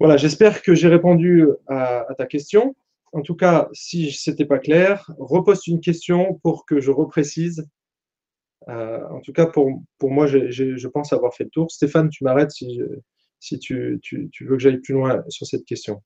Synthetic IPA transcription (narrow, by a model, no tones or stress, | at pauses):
vwalaʒɛspɛʁkəʒeʁepɔ̃d̪yaːt̪akʲɛst̪jɔ̃ | ɑ̃t̪ukasiset̪ɛpaklɛːʁːəpozt̪ynkʲɛst̪jɔ̃puʁkəʒəʁəpχesiz | ø̰ɑ̰̃t̪ukapuʁpuʁmwaʒeʒeʒəpɑ̃saːvwaʁfɛlət̪uːʁst̪efant̪ymaʁɛt̪siʒə̰ | sit̪ʰyt̪ʰy̰t̪yvøkəʒajplylwɛ̃syʁsɛt̪kʲɛst̪jɔ̃